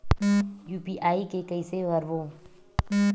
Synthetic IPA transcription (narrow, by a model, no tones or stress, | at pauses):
juːpiʔaːikekəɪseʋəɾʋoː